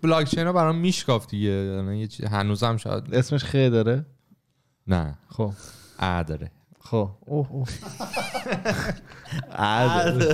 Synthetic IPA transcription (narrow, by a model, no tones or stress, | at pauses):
blɒkʰt͡ʃʰejnɒbæɾɒmmːiʃkɒfd̪iɟeælanjet͡ʃʰiɦænuːzæmʃɒ̰jæ̰d̪esmeʃxelid̪ɒɾe | næ̰xobʔæɾd̪ɒɾe | xooo | ʔæd̪